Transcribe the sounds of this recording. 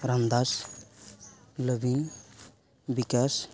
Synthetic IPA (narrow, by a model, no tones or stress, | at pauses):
ɾand̪as | ləbin | bikas